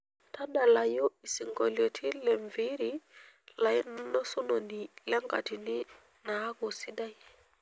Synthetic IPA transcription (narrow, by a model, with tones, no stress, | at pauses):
ta˦da˨la˨ju˦i˨si˨ŋɡo˨lo˨tʰi˦lɛ˨ɱvi˦ɾi | la˨ji˦n˦no˦su˦no˨ni˨lɛ˦ŋɡa˨ti˨ni˦ | na˦ɡo˨si˦da˦j